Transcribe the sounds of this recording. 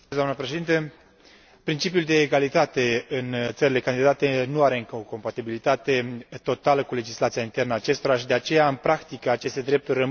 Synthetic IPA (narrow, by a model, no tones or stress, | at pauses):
d̪oamnəpɾeʃed̪int̪ə | pɾint͡ʃip̬ijuld̪e̞ːɡalit̪at̪e̞ɨnt̪səɾile̞kand̪id̪at̪e̞nuaɾe̞ɨŋkəoko̞mpat̪ibilit̪at̪e̞t̪o̞t̪aləkule̞d͡ʒislat̪sijaint̪e̞rnəat͡ʃe̞st̪o̞ɾaʃid̪eat͡ʃe̞jaɨnpɾakt̪ikəat͡ʃe̞st̪e̞d̪ɾe̞p̚t̪urʲrə